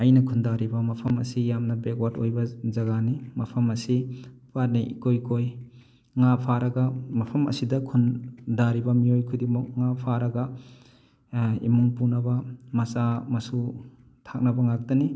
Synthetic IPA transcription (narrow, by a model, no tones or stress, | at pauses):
ɐjnɐkʰundaɾibɐmɐpʰɐmɐ̰sijamnɐbekwatojbɐzɐɡanimɐpʰɐmɐsipat̚niikojkʰoj | ŋapʰaɾɐɡɐmɐpʰɐmɐ̰sidɐkʰundaɾibɐmiojkʰudimuk̚ŋapʰaɾɐɡɐ | ḭmuŋpunɐbɐmɐsamɐsu | tʰak̚nɐbɐŋak̚tɐni